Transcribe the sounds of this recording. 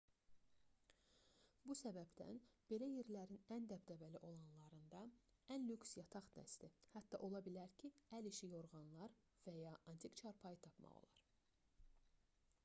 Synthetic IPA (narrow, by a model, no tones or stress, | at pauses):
busæbæbd̪æ̰nb̥e̞læje̞ɾlæɾinænd̪æpd̪ævæliʔo̞lˠɑnlˠɑɾɯnd̪ɑænlyksjɑt̪ʰɑχd̪æ̰st̪ihæt̪ːɑ̰ʔo̞lˠɑbilæɾcʰiæliʃijo̞ɾʁɑnlˠɑɾ | væjɑʔɑnt̪ʰikt͡ʃʰɑɾpʰɑjɯt̪ʰɑpmɑ̰ʁo̰lˠɑ̰ɾ̥